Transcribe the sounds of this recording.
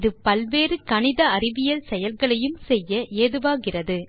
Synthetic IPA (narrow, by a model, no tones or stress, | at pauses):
ðɯpɐlʋeːrɯkɐɳɪðɐɐrɪʋɪjɐlsɛjɐlɣɐɭɐjɯmsɛjːɐʔeːðɯʋaːɣɪrɐðɯ